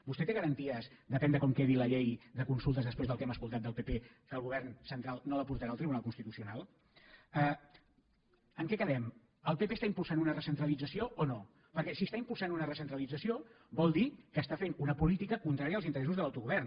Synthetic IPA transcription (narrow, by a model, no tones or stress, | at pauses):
bust̪ɛt̪eɣəɾənt̪iəzd̪əpɛnd̪əkɔmkeðiləʎejðəkunsulˠt̪əzðəspɾezðəlˠkɛməskulˠt̪at̪̚d̪əlˠpepe | kəlˠɣuβɛrnsənt̪ɾalˠnoləpuɾt̪əɾalˠt̪ɾiβunalˠkunst̪it̪usiunalˠ | ə | əŋkɛkəðɛm | əlˠpepeːst̪aimpulˠsanunərəsənt̪ɾəlid͡zəsioʔono | pəɾkɛsiəst̪aimpulˠsanunərəsənt̪ɾəlid͡zəsio | bɔlˠd̪ikəːst̪afenunəpulit̪ikəkunt̪ɾaɾiəaːlˠzint̪əɾɛsuzðəlawt̪uɣuβɛrn